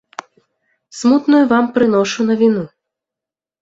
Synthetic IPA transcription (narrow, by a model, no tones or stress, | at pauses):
smut̪nujuvampɾɨnɔʂunɐvʲinu